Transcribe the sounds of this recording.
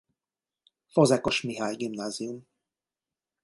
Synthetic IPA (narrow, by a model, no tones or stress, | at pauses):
fozɛko̞ʃmiɦaːjɡimnaːzium